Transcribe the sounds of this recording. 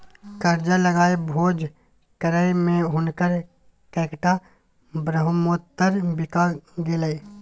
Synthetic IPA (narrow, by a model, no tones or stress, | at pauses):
kəɾd͡ʒaləɡaːebʱoːd͡ʒ | kəɾəmẽɦʊnkəɾ | kɛːkʈa | bɾəɦʊmot̪ːəɾbɪkaɡɪləi